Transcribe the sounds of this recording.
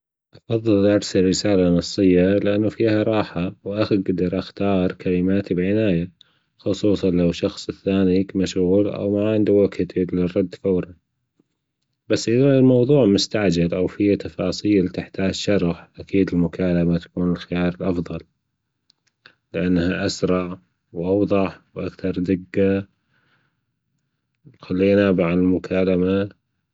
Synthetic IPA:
ʔɑfɑðˤːɨlʔɑɾsalrːɪsaːlanɑsˤːɨjːalɪʔanːufiːhaɾˤɑːħawʔaxiɡad̪ɑɾˤʔaxt̪ɑːɾˤkʰalɪmaːt̪ibʕɪnaːja | xʊsˤuːsˤɑnlawʃɑxsˤɪθːaːnikmaʃɣuːlʔa̰wmaʕɪnd̪awakt̪id̪lɪrˤːɑd̪ːfawɾˤɑ | basːʔɪðalmɑwðˤuːʕmʊst̪aʕd͡ʒalʔawfiat̪ɑfɑːsˤiːlt̪ɪħt̪aːd͡ʒʃɑɾˤɑħʔakʰiːd̪ɪlmʊkaːlamat̪ḁkuːnɪlxɪjɑːɾˤɪlʔɑfðˤɑl | lɪʔanːhaʔasɾˤɑʕ | wʔɑwðˤɑħwʔakθɑɾˤd̪ɪɡːa | xalːiːnabaʕɪlmʊkʰaːlama

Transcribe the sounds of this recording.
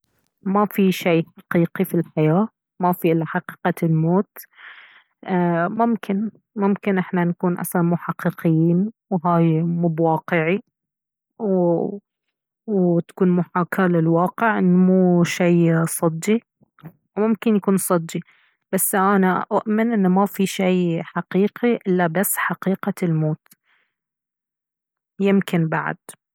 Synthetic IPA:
mafiʃijħaqiːqifilħajaː | mafiʔɪlːaħɑqiːqalmoːt̪ | mʊmkʰɪn | mʊmkɪnʔɪħnanakuːnʔa̰sɑnmuːħɑqːiqɪjiːnwɦaːjmuːbwɑːqɪʕi | w | wt̪ḁkuːnmuħaːkʰalɪlwɑːqɪʕʔɪnːmuːʃijsˤɑd̪ːi | wmʊmkɪnjakuːnsˤɑd̪ːi | basːʔanaʔaʔmɪnʔɪnːmafiʃijħaqiːqiʔɪlːabasːħaqiːqalmoːt̪ | jɪmkɪnbaʕa̰d̪̥

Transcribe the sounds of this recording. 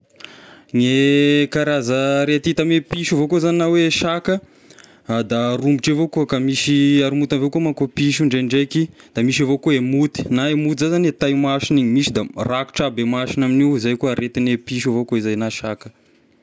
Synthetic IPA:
ŋekaɾazəɾet̪it̪amepiʃavokozaninaweʃakə | d̪arumbiʈ͡ʂavokuəkamiʃiaɾimut̪avekomakopiʃ̬uɳɖ͡ʐeɳɖ͡ʐekid̪̥amiʃ̬avokoemut̪i̥naemut̪izazanet̪ajmaʃiniɲimiʃid̪araku̥ʈ͡ʂabemaʃinaminiwizajkuɾʔet̪inepiʃavokoizajnaʃakə̥

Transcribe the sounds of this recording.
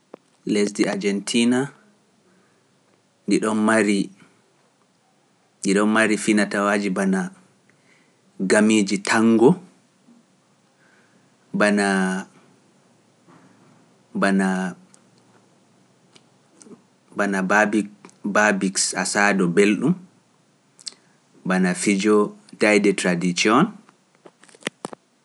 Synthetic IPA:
lesdiad͡ʒɛntʰiːna | ndiɗɔnmaɾi | ndiɗɔnmaɾifinatawaːd͡ʒibana | ɡamiːd͡ʒitʰaŋɡɔ | bana | bana | banabbbabiksasadɔbelɗum | banafid͡ʒɔtajdɛtɾadit͡ʃiɔn

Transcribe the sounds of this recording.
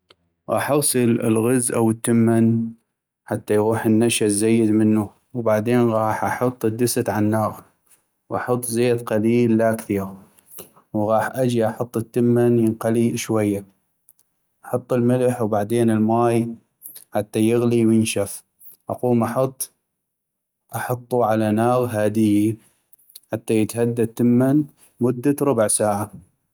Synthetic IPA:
ɣɑ̰ːħʔɑɣsˤɨlɪ̰lɣɪzʔawət̪ːɪmːan | ħat̪ːajɣuːħənːaʃazajːɪd̪mɪnːu | wbaʕd̪eːnɣɑːħʔɑħʊt̪ˤːɨd̪ːɪsat̪ʕanːɑːɣ | wʔɑħʊt̪ˤːzeːd̪qɑliːlːakθiːɾ | wɣɑːħʔad͡ʒiʔɑħʊt̪ˤːət̪ːɪmːanjənqaliʃwajːa | ʔɑħɑt̪ˤːɪlmɪlħwbaʕd̪eːnɪlmaːj | ħat̪ːajɪɣliwjɪnʃaf | ʔɑ̰quːmʔɑħɑt̪ˤː | ʔɑħɑt̪ˤːuʕalanɑːɣɦaːd̪ɪjːi | ħat̪ːajət̪had̪ːat̪ːəmːan | mʊd̪ːaɾˤʊbʕsaːʕa

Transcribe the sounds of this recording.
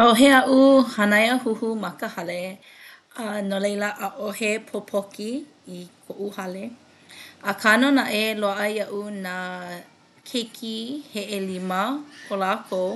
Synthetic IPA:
oɦeɐʔuhɐnajəhuhumɐkəhɐle | anolejləʔɐʔohepʰopʰokiː | kʰoʔuhɐle | əkʰanonaʔeloaʔɐjɐʔuna | kʰekʰiheʔelimɐkʰolaːkʰow

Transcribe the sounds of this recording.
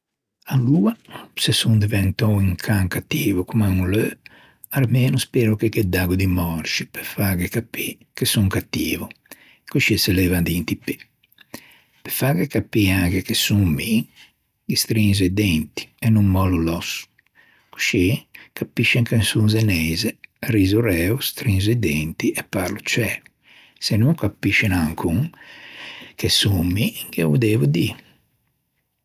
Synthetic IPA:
aluːasesund̪ivɛnt̪ɔiŋkʰaŋkat̪ːiːvukumaŋulø | aɾmeːnuspeːɾukeked̪ːaɡud̪imɔɾt͡ʃipefaːɡɛkapːi | kesuŋkat̪ːiːvu | kuʃisɛlɛːvad̪int̪ipːi | pefaːɡɛkapːiaɡɛkesuŋmi | ɡist̪ɾinzɛd̪ɛnt̪i̥ɛnːumːɔlulɔsu̥ | ku̥ʃikapːiʃɛŋkansunz̬ɛnɛːzɛriːzuɾɛːust̪ɾinz̬ɛd̪ɛnt̪iʔɛpːaɾlut͡ʃɛːlu | sɛnuŋkapːiʃɛnaŋkʰuŋ | kʰɛsumːiŋɡɛvṵd̪evud̪i

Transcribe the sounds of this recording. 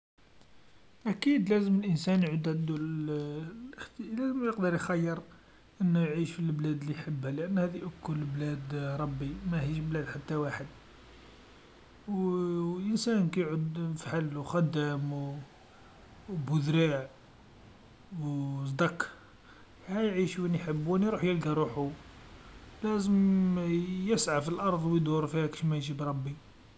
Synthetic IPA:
ʔækid̪læzəməlʔənsænjʕud̪ʕəd̪ulə | əxt̪læzəmjəqd̪əɾˤjxɑjːəɾˤ | ʔənːujʕiʃfilblæd̪liħəbːæləʔənːhæd̪iʔəkːʊlːblæd̪ɾˤɑbːimæhiʃblæd̪ħat̪ːæwaħəd̪̚ | wʔənsænkæjʕʊd̪fħalːxæd̪ːæm | bʊd̪ɾiʕ | wsˤd̪ɑq | hæjʕiʃwænħəbːuwæniɾuħjəlɡæɾˤuħu | læzəm | jəsʕafilʔɑɾˤd̪ˤwjd̪uɾˤfihæki̥ʃmæjʒibɾˤɑbːi

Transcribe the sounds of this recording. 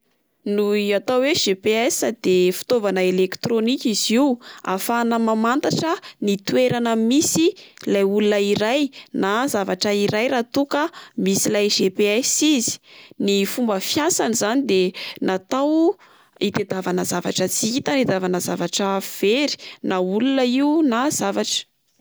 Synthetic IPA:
nuiat̪awweʒepeɛsad̪efi̥t̪ovanəelekt̪ɾonikʲiziwa̰fanəmamant̪aʈ͡ʂənit̪ueɾanəmisilajulunəiɾajnazavaʈ͡ʂəiɾajɾat̪ukəmisilajʒepeɛsizi̥nifumbəfjasanizanid̪enat̪aw | it̪ed̪avanəzavaʈ͡ʂət͡siit̪aned̪avanəzavaʈ͡ʂəv̥eɾi̥naulunəiunazavaʈ͡ʂə̥

